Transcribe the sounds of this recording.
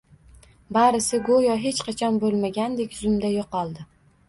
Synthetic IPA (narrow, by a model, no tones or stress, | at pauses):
baɾɪsɪɡojɒɦe̞t͡ʃqʰɑt͡ʃʰɒnbolˠmaɡʲand̪e̞kʲzʊmd̪ajoqɒlˠd̪ɪ